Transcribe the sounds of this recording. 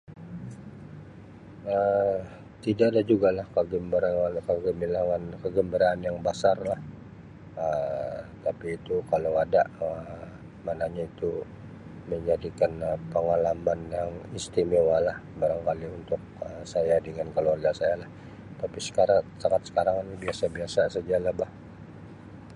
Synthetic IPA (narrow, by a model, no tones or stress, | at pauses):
ə | t̪idaʔːdad͡ʒuɡalahkəɡəmbəɾaakəɡəmbilaŋankəɡəmbəɾaːnjaŋbasarlah | ət̪apiːt̪ukalawadaʔə | manaɲait̪u | məɲd͡ʒadikanəpəŋalamanjaŋist̪imewalahbaɾaŋkaliunt̪ʊk̚əsajadəŋankəluarɡasajalah | t̪apisə̥kaɾasaŋat̪sə̥kaɾaŋinibiasabiasasəd͡ʒalabah